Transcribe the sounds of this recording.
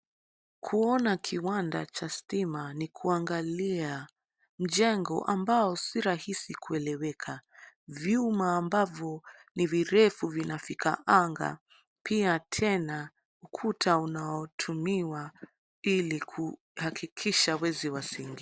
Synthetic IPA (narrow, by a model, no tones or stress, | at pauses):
kʰuɔnakʰiwanda̰t͡ʃastimanikʰuaŋɡalia | m̩ʄɛŋɡɔ̰ʔambaɔsiɾahisikuɛlɛwɛkʰavjumaːmbavjɔniviɾɛfuvinafikʰa̰ʔaŋɡa̰ | pʰiatʰɛna | ukʰutʰaunaɔtʰumiwa | ilikʰu | hakʰikʰiʃawɛziwasiŋɡi